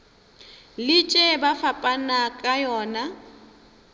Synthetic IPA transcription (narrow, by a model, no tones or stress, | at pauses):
lɪt͡ʃʼɛbafapʼanakʼajɔːna